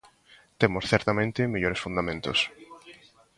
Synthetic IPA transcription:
t̪emosθɛɾt̪amẽnt̪ɪmiʎoɾesfũnd̪amẽnt̪o̰s

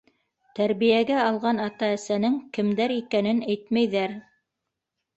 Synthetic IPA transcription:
t̪æɾβijæɡæɑlˠʁɑnɑt̪ɑæsænɘŋkɘ̆md̪æɾikænɘnæjt̪mæjðæɾ

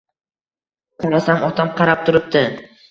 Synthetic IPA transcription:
qʰaɾasamɒt̪ʰamqʰɑɾap̚t̪ʰʊɾɪp̚d̪ɪ

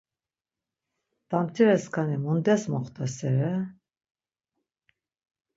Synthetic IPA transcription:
t̪amt̪ʰivɛskʰanimund̪ɛsmɔχt̪ʰasɛɾɛ

